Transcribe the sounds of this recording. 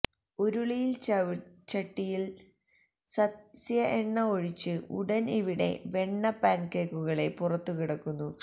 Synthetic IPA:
oɾuɭijil | t͡ɕɐʈːijil | sɐsjɐʔeɳːɐoɻit͡ɕːɨṵɽɐniʋiɽe̞̰ʋe̞ɳːɐpaːɳkeːkːuɣɐɭe̞purɐt̪ːukiɽɐkːunːu

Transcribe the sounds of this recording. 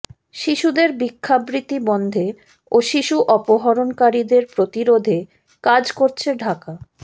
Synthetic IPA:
ʃiʃud̪eɾbikʰːabɾit̪ibɔnd̪ʱe | oʃiʃuʔɔpoɦɔɾonkaɾid̪eɾpɾot̪iɾod̪ʱe | kad͡ʑkoɾt͡ɕʰeɖʱaka

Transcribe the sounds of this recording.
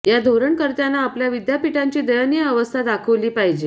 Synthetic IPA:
jad̪ʱoɾəɳkəɾt̪janːaːpljaʋid̪japiʈaɲt͡ɕiːd̪əjənjəːʋəst̪ʰad̪akʰəʋliːpaɦid͡ʑe

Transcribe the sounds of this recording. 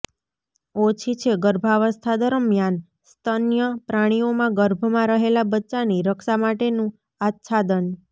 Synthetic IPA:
ot͡ʃʰit͡ʃʰeɡəɾbʱaʋəst̪ʰad̪əɾəmjan | st̪ʰənjəpɾaɽ̃iomãɡəɾbʱmãɾəɦelabətːt͡ʃaniɾəkʰʃamaʈenũ | at̪ʃʰad̪ən

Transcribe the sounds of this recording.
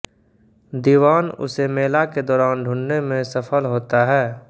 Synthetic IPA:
d̪iːʋaːnʊ̰semeːlaked̪ɔːɾaːnɖʱʊ̃nːemẽsəpʰəlɦoːt̪aɦɛː

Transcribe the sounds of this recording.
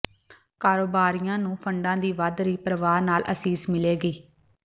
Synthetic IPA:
kaːɾoːbaːɾijãːnũːpʰəɳɖãːd̪iːʋad̪ɾiːpɾəʋaːɾnaːlʔə̰siːzmɪleːɡiː

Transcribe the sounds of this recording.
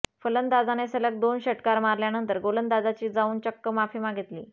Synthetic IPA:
fələnd̪ad͡zanesələk̚d̪onɕəʈkaɾmaɾljanənt̪əɾɡolənd̪ad͡zat͡ɕiːd͡zauːnt͡ɕəkːəmafimaɡʱit̪lḭː

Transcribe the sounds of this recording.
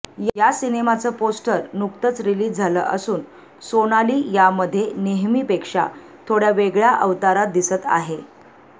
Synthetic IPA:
jjasinemat͡səposʈəɾnukt̪ət͡sɾiliːd͡zʱalə̰ːʔəsuːn | sonaliːjaməd̪ʱːjeneɦmiːpekʂa̰ | t̪ʰoɽjaʋeɡɭjaʔəʋt̪aɾat̪̚d̪isət̪a̰ɦe

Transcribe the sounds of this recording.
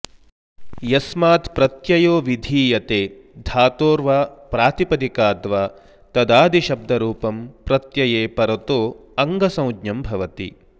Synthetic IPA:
jɐsmaːt̪pɾɐt̪jɐjoːʋid̪ʱiːjɐt̪eː | d̪ʱaːt̪oːɾʋaːpɾaːt̪ipɐd̪ikaːd̪ʋaː | t̪ɐd̪aːd̪ʱiʃɐb̚d̪ʱɐɾuːpɐmpɾɐt̪jɐjeːpɐɾɐt̪oːɐŋɡɐsɐ̃w̃dɲɐmbʱɐʋɐt̪ḭ

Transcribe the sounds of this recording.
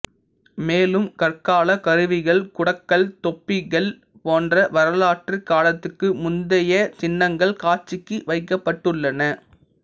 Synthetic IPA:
meːlɯmkɐrkaːlɐkɐɾɯʋɪɣɐɭkʊɽɐkːɐɭt̪ɔpːɪɣɐɭ | poːndrɐʋɐɾɐlaːʈrikaːlɐt̪ːɯkːɯmʊnd̪ɐjɐt͡ʃɪnːɐŋɡɐɭkaːt͡ʃɪkːɯʋɐɪkːɐpːɐʈːɯɭːɐnɐ

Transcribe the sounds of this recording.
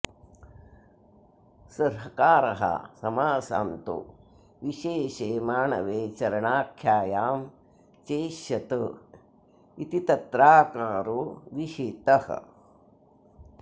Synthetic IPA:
sɐɾɦɐkaːɾɐɦɐ̰sɐmaːsa̰ːnt̪ṵ | ʋiʃeːʃeːmaːɳɐ̰ʋeːt͡ʃɐɾɐɳaːkʰjaːjaːm | t͡ʃeːʃjɐt̪ɨ | it̪it̪ɐt̪ɾaːkaːɾoʋiʃeːt̪ɐhɐ̰

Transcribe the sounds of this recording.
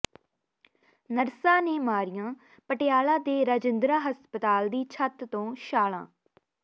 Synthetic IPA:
nəɾsãːneːmaːɾɪjãː | pəʈɪjaːlãːd̪eːɾaːd͡ʒɪnd̪ɾaːɦəspət̪aːld̪iːt͡ʃʰət̪t̪õːʃaːlã̰ː

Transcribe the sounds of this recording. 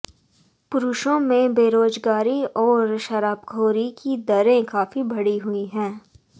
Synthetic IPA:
pʊɾʊʃõmẽbeːɾoːd͡ʒɡaːɾiɔːɾʃɐɾaːbɡʱoːɾikid̪ɐɾẽkaːfibɐɽiɦʊiɦɛ̃ː

